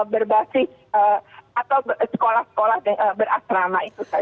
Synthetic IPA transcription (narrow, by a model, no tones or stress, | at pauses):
bərbasɪs | əat̪awsə̥kolahsə̥kolahdəŋəbəra̰sɾamait̪usa